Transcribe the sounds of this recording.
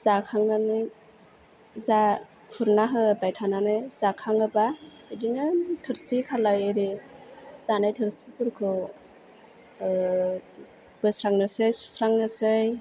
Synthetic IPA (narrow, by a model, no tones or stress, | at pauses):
z̥akʰaŋanɯj | za | kʰuɾnaɦɯbajtʰananɯjzakʰaŋɯba | ɯdinɯtʰɯɾsikʰalajɯɾi | z̥anajtʰɯɾsipʰuɾkʰɯw | b̥ɯsɾaŋnɯsɯjsu̥sɾaŋnɯsɯj